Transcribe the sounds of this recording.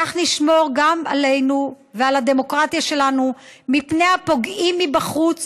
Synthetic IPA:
aχniʃmo̞ʁɡama̰le̞jnu | vealad̪e̞mo̞kʁat̪jaʃe̞lanumipnejapo̞ɡimːibaχut͡s

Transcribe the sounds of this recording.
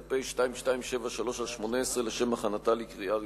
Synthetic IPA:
pejʃtaimʃtaimʃe̞vaʃalo̞ʃalʃmo̞neesʁeleʃe̞maχanatalikʁia

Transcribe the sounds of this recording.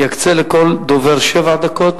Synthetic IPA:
jakt͡selekold̪oveʁʃevaʕd̪akot̪

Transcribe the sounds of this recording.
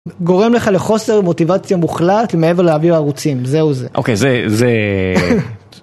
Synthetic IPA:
ɡo̞ʁe̞mle̞χale̞χo̞se̞ʁmo̞tivat͡sjamuχlatlemeeve̞ʁleaviaːʁut͡simzeuzeʔo̰kejzeze

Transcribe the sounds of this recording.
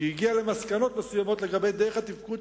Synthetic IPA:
jiɡiale̞maskano̞t̪mesujamo̞t̪le̞ɡabe̞jd̪eʁeχat̪ivkud̪

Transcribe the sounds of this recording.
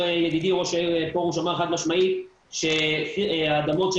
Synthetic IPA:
ejeɡid̪iʁoʃepoʁuʃamaeχad̪maʃmai | ʃe | ad̪amo̞tʃe

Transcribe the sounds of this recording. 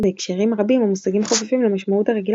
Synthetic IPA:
beekʃeʁimʁabimamusaɡimχofefimlemaʃmauthaʁeɡil

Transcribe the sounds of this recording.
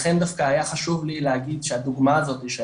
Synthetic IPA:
χe̞nd̪afkaːjaχaʃuvlileaɡid̪ʃehad̪uɡmaːzo̞t̪iʃe

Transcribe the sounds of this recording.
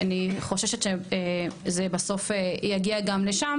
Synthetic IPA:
aniχo̞ʃeʃet̪ʃeezebaso̞fejaɡiaɡamleʃam

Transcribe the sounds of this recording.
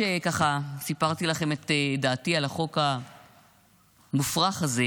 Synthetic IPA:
ekaχasipaʁt̪ilaχe̞met̪daːtialaχo̞ka | mufʁaχaze

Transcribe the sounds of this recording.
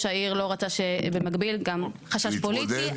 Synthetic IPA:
ʃaiʁlo̞ʁat͡saʃebemaɡbilɡamχaʃaʃpoli

